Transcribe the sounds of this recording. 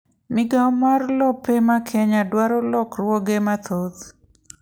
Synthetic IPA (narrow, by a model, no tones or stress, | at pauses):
mɪɡamarlɔpemakʰɛɲadwaɾɔlɔkrwɔɡemat̪ʰod̪